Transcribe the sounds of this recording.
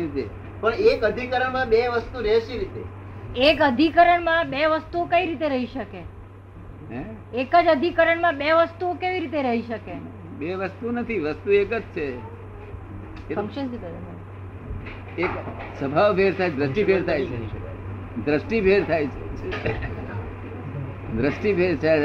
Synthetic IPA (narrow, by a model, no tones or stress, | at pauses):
id͡ʒe | pəɳekəd̪ʱikəɾəɳmãbeʋəst̪uɾɛɦʃiɾit̪e | ekəd̪ʱikəɾəɳmãbeʋəst̪uokəiɾit̪eɾəɦiʃəke | ɦɛ̃ | ekəd͡ʒəd̪ʱikəɾəɳmãbeʋəst̪uokeʋiɾit̪̬eɾəɦiʃəke | beʋəst̪unət̪ʰiʋəst̪uekəd͡ʒt͡ʃʰe | kəmʃənsit̪m | eksəbʱaʋpʰeɾt̪ʰajd̪ɾəsʈipʰeɾt̪ʰajt͡ʃʰe | d̪ɾəsʈipʰeɾt̪ʰajt͡ʃʰe | d̪ɾəsʈipʰeɾt͡ʃʰe